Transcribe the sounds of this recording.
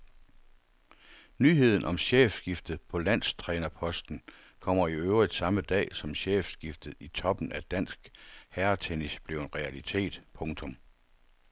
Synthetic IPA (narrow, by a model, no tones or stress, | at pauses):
nyːɦe̝ð̞̰ˠn̩ʔɒ̽mɕeːfsɡ̥ifd̥ð̩ˠpʰɒ̽læn̰st͡sʰʁɛːnɐpʰɒ̽sd̥n̩ | kʰɒ̽m̰ɐiøʊʁid̥sɑ̈məd̥ɛ̰ːsɒ̽mɕḛːfsɡ̥ifd̥ð̩ˠit͡sʰɒ̽b̥n̩æd̥æn̰sɡ̥hæɐt͡sʰenisb̥le̝ʊenʁɛælit͡sʰe̝̰ːd̥pʰɔ̽ŋt͡sʰɔ̽m